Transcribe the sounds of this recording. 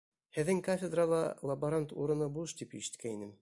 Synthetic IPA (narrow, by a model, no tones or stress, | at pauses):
hɘ̆ðːɘŋkafʲed̪ralˠɑ̰lˠɐbɐɾant̪ṵɾɤ̆nɤbulˠʃt̪ipḭʃɘ̥̆t̪kʰæinɘm